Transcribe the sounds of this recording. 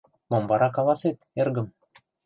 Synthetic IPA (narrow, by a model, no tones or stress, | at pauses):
mombɑɾɑkɑlˠɑset̪erɡə̆m